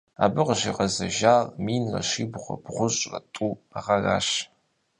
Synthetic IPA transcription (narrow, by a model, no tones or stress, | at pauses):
abɨqʃiqɐzɐʒaːlmiːnlɐ̰ʃibʁʷɐ̰bʁʷʊɕʼrɐtʼuaʁaraːʃ